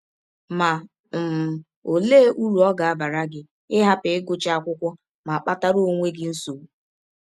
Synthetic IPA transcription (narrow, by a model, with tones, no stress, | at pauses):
ma˨ | m̩˨ | o˨leː˦ʔu˦ɾu˨ɔ˦ɡa˨a˦ba˨ɾa˦ɡɪ˦ | ɪ˦ɦa˦pɪ˨ɪ˦ɡʊ˦t͡ʃa˦˨kʷʊ˦kʷʊ˦ | ma˨a˨k͡pa˦ta˦ɾo˦ŋʷe˦ɡɪ˦n̩˦so˨˦